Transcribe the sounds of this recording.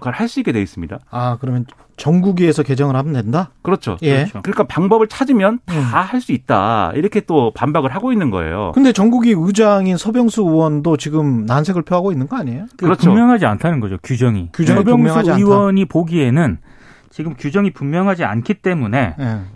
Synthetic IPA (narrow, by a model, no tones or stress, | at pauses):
kaɭhaɭs͈uik͈ːedwe̞is͈ɯmɲida̰akɯɾʌmjʌn | t͡ɕʌŋɡuɡiesʰʌke̞d͡ʑʌŋɯɭhamʌndwe̞ndakɯɾʌt͡ɕʰo̰je̞t͡ɕʰokɯɾɲik͈apaŋbʌbɯɭt͡ɕʰad͡ʑimjʌntahaɭs͈uit̚t͈a̰ḭɾʌkʰe̞t͈opambaɡɯɭɦaɡoinːɯnɡʌ̰ḛjo̰kɯnde̞t͡ɕʌŋɡuɡiɯd͡ʑaŋinsʰʌbjʌŋsʰuɯwʌndot͡ɕiɡɯmnansʰe̞ɡɯɭpʰjoɦaɡoinːɯnɡʌaɲejokɯɾʌt͡ɕʰuomjʌŋɦad͡ʑiantʰanɯnɡʌd͡ʑokjud͡ʑʌŋikjud͡ʑʌibjʌŋmmʌsŋad͡ʑiaiwʌɲipoɡie̞nɯn | t͡ɕiɡɯmkjud͡ʑʌŋipummjʌŋɦad͡ʑia̰nkʰit͈e̞mune̞e